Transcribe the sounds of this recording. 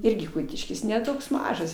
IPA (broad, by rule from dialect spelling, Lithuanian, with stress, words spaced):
ˈɪrʲɡʲɪ ˈkʊtʲɪʃʲkʲɪs nʲɛ ˈtoːks ˈmɑːʒɐs